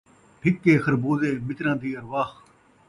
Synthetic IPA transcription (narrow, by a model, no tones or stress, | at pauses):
ʈʰɪkːeːxɐɾboːzeːmɪt̪ɾãːd̪iːɐɾʋaːx